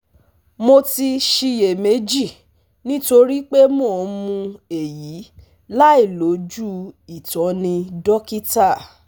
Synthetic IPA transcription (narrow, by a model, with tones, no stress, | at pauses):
mo˧ti˧ʃi˧je˨me˨˦d͡ʒi˦˨ | nĩ˦to˧ɾi˦k͡pe˦mo˦˨˧mũ˧e˨ji˨˦ | la˦i˦˨lo˨˦d͡ʒu˦i˨tɔ̃˨˦nĩ˧dɔ˦ki˦ta˦˨